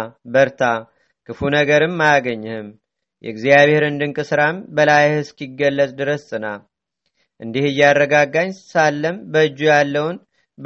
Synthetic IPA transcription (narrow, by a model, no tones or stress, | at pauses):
bəɾt̪ʰa | kʰɨfunəɡəɾɨmːajaɡəɲːɨhɨm | jʔɛ̰ɡzijaβhe̞ɾɨnd̪ɨŋkʼɨsɨɾambəlajhɨskʰiɡːəlːət̪ʼd̪ɨɾəsɨna | ʔɨnd̪ihɨjːarːəɡaɡaɲsalːəmbəɨd͡ʒːujalːəwn | b